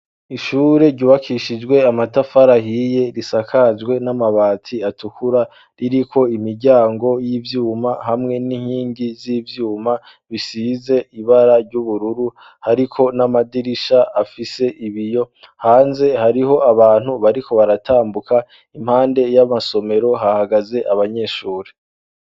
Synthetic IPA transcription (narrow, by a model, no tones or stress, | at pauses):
iʃuːɾe̞ɟuːβakʰiʃid͡ʒɡwe̞amatafaɾahije̞ɾisakʰazɡwe̞namaβaːtʰiatukuɾa | ɾiɾikʰo̞imiɾɟaːŋɡo̞jivjuːmahamŋe̞niŋhiːŋɡiziːvjuːma | βisize̞ʔiβaɾaɾɟuβuɾuɾu | haɾikʰo̞namadiɾiʃaafise̞ʔiβijo̞ | haːnze̞haɾiho̞aβaːn̥huβaɾikʰo̞βaɾatʰaːmbukʰa | imhaːnde̞jamaso̞me̞ɾo̞ɦahaɡaze̞ʔaβaɲe̞ːʃuːɾe